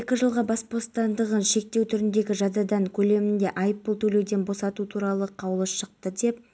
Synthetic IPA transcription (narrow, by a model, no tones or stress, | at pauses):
ekʲɪʒəlˠʁɑbɑspo̞st̪ɑnd̪əʁənʃe̞k̚t̪e̞wt̪ʰʏɾɪnd̪e̞ɡʲɪʒɑd̪ɑd̪ɑɴkʲʰɵle̞mɪnd̪e̞ʔajpːəlˠt̪ʰɵlewd̪e̞nbo̞sɑt̪ut̪ʰuɾɑlˠəqʰɑwlˠəsʃəq̚t̪əd̪e̞p